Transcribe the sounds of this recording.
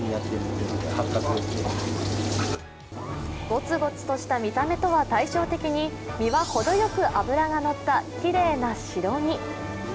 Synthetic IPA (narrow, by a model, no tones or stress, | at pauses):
ɲijat̪ːeɾɯnod̪onod̪ehakːakɨokeimas | ɡ̥o̞t͡sɨɡo̞t͡sɨ̥t̪o̞ɕi̥t̪amʲit̪ame̞t̪o̞βat̪aiɕo̞ːt̪e̞kʲiɲ̟i | mʲiβaho̞d̪o̞jo̞kɯ̟ʔabɯ̟ɾaɡano̞t̪ːakʲiɾe̞ːnaɕiɾo̞ɲ̟i